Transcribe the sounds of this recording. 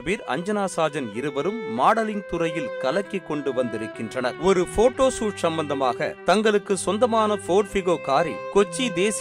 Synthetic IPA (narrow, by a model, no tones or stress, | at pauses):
beːɾɐ̰ɲd͡ʒɐnaːsaːd͡ʒɐnɪɾɯbɐɾɯmːaːɽɐlɪŋt̪ʊɾɐjɪlkɐlɐkːikːɔɳɖɯʋɐnd̪ɪɾɯkːɪndrɐnɐɾɔɾɯfoːʈːoːsuːʈsɐmbɐnd̪ɐmaːɣɐ̰t̪ɐŋɡɐɭɯkːɯsɔnd̪ɐmaːnɐfoːʈfɪɣoːkaːɾḭkɔt͡ʃːid̪eːs